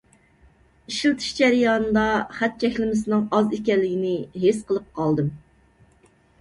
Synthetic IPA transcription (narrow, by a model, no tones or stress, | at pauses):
iʃilˠt̪ʰɨ̥ʃd͡ʒæɾɨjɑnd̪ɑχæt̪̚t͡ʃʰɛkʲlɪmɪs̬ɪnɨŋɑzikʲɛlːɪɡʲinɪɦesqəlˠɨp̚qʰɑlˠd̪ɨm